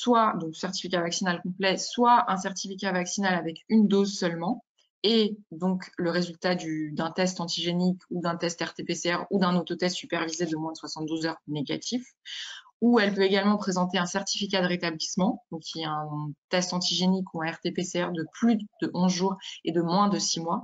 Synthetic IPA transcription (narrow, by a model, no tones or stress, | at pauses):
swad̪ɔ̃ksɛʁt̪i̥fikʲavaksinalkɔ̃plɛswaʔɛ̃sɛʁt̪ifikʲavaksinalavɛkynd̪ozsœlmɑ̃ | ed̪ɔ̃kləʁezylt̪ad̪yd̪ɛ̃t̪ɛst̪ɑ̃t̪iʒenikʰud̪ɛ̃t̪ɛst̪ɛʁt̪epeseɛʁud̪ɛ̃not̪ot̪ɛst̪sypɛʁvized̪əmwɛ̃d̪əswasɑ̃t̪̚d̪uzœʁneɡa̰t̪ʰif | uɛlpøeɡalmɑ̃pχezɑ̃t̪eɛ̃sɛʁt̪ifik̬ʲad̪əʁet̪ablismɑ̃d̪ɔ̃kːʰʲiɛɛ̃t̪ɛst̪ɑ̃t̪iʒenikʰuɛ̃ɛʁt̪epeseɛʁd̪əplyd̪əʔɔ̃zʒuʁed̪əmwɛ̃d̪əsimwa